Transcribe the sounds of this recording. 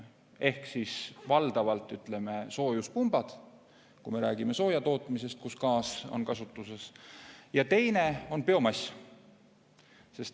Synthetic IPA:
e̞hksisvɑld̪̥ɑvɑlt̪ːˑyt̪ˑle̞me̞so̞ːjuspumb̥ɑd̪̥ | kume̞ɾæːɡ̥ime̞so̞ːjɑt̪o̞ːt̪ːˑmise̞st̪̚kuskɑːso̞̰nkɑsut̪ːˑuse̞sjɑt̪e̞jne̞o̞npe̞o̞mɑsʲ | se̞st̪

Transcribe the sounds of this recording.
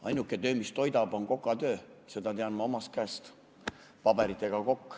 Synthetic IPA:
ɑ̰jnukːˑe̞t̪ø̞ːmist̪o̞jd̪ɑbo̞nko̞kːˑɑt̪ø̞ːse̞d̪ɑt̪eɑnmɑo̞mɑst̪̚kæest̪ | pɑb̥e̞ɾit̪ˑːe̞ɡ̥ɑko̞kː

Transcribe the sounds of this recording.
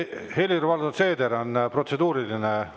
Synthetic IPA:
he̞lʲirvɑld̪ot̪se̞ːd̪eɾonpro̞t̪se̞d̪uːɾiline

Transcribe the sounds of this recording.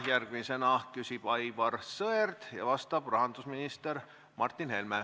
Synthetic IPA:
jærɡ̥misenɑkysib̥ɑjvɑrsɤerd̪̥jɑ̰vɑst̪ɑb̥rɑɦɑnd̪̥usminist̪eɾ | mɑrt̪ːˑinhe̞lme

